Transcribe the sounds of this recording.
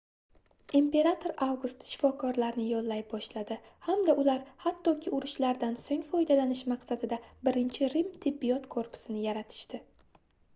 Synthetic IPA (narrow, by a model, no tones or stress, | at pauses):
impe̞ɾat̪ʰo̞ɾawɡʊst̪ʃɪ̥fɒkʰɒɾlaɾnɪjɒlˠːajbɒʃlad̪ɪhamd̪aʔʊlaɾhat̪ːɒkʲʰɪʊɾɪʃlaɾd̪ansoŋfɒjd̪alanɪʃmaqsad̪ɪd̪abɪɾɪnt͡ʃʰɪɾɪmt̪ʰɪbːijɒt̪kʰoɾpʰʊ̥sɪnɪjaɾat̪ʰɪ̥ʃt̪ɪ